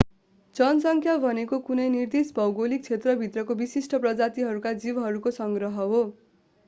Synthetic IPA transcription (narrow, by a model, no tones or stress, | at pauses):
d͡zʌnsʌŋkʰjabʱʌnekokunʌjnird̪isbʱʌwɡolik̚t͡sʰet̪rʌbʱit̪rʌkobisisʈʌprʌd͡zat̪iɦʌɾukad͡zibɦʌɾukosʌŋɡrʌɦʌɦo